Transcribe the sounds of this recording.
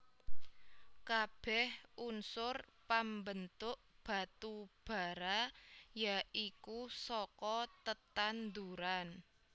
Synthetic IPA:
kab̥ɛhunsʊrpambənt̪ʊʔb̥a̤t̪ub̥a̤ɾajaikusɔkɔt̪ət̪and̪uɾan

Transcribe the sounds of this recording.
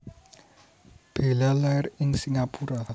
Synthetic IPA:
b̥e̤lalarɪŋsiŋapuɾa

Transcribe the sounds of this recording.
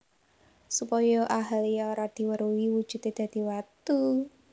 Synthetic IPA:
supɔjɔʔaɦalijaoɾad̪̥i̤wəɾuwiwu̥ʒ̥ṳt̪ed̪̥ä̤d̪̥i̤wat̪u

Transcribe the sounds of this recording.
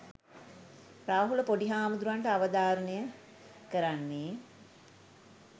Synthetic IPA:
ɾaːɦuləpoɖiɦaːmud̪ɾuʋanʈəaʋəd̪aːɾənejə | kəɾanːeː

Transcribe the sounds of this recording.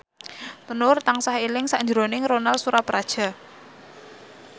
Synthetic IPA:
t̪ənʊrt̪aŋsahilɪŋsaɲd͡ʒɾonɪŋronalsuɾapɾad̥ʒ̥a̤

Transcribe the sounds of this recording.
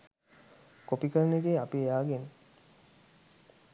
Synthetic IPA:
kopikəɾəneɡeːapiejaːɡen

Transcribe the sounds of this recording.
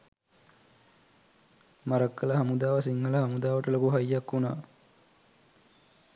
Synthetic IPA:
mɐɾəkːələɦɐmud̪aːʋɐs̬iŋhələɦɐmud̪aːʋəʈəlokuɦɐjːakːuna̰ː

